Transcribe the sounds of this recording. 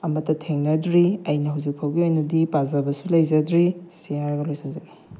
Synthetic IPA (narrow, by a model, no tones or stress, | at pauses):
ɐmɐtːɐtʰeŋnɐdɾiɐjnɐɦawzik̚pʰawɡiojnɐdipazɐbɐsulɐjzɐdɾisiaɾɡɐlojsʰinzani